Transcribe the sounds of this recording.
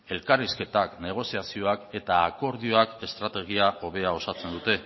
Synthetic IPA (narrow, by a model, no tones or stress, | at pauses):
e̞lkariske̞t̪akne̞ɣ̞o̞siasio̞ake̞t̪aːko̞ɾðio̞ake̞st̪ɾat̪e̞ɣ̞iaʔo̞βe̞ao̞sat͡se̞nd̪ut̪e̞